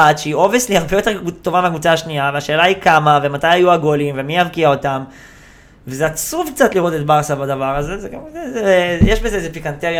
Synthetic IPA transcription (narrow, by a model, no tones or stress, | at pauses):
at̪ʃeio̞visliaʁbejo̞t̪e̞ʁut̪ːo̞vameakvut͡saaʃniaveaʃe̞ːlaikamavemat̪ajajuaɡo̞limve̞miavkiao̞tam | vezeat͡suvk̚t͡sat̪liʁo̞t̪e̞t̚baʁsabadavaʁazezeɡamzzeejeʃbezeezepikant̪eʁj